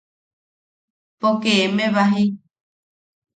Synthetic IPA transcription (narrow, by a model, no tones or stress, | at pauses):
pokeemẽβaɦi